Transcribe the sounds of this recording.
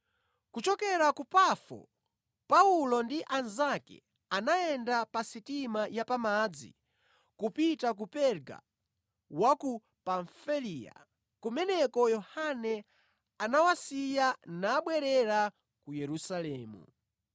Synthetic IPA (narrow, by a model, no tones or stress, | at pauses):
kut͡ʃɔkɛɾakupafɔ̰ | paulɔndiʔanzakɛ̰ | anaɛndapasitimajapamad͡zḭ | kupitak̬upɛɾɡa̰ | waku | paɱfiliːja̰ | kumɛnɛkɔjɔhanɛ | anawasijanaːɓwɛɾɛɾa | kujɛɾusalɛːmṵ